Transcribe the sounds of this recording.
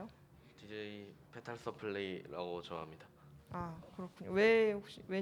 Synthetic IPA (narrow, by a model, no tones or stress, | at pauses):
jo | tid͡ʑeipʰe̞tʰaɭs͈ʌpʰɯɭːiɾa̰ɡot͡ɕʌɦamɲida | akɯɾʌkʰuɲowe̞hok̚ɕ͈iwe̞